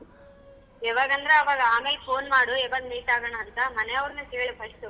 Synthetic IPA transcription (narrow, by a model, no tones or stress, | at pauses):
ɛʋaːɡɐnd̪ɾɐɐʋaːɡɐaːmeːlepʰo̞ːnmaːɽuɛʋɐɡmiːʈaːɡɐɳɐːnt̪ɐmɐnɛɐʋɾɐnukeːɭbʱɐʃt̪u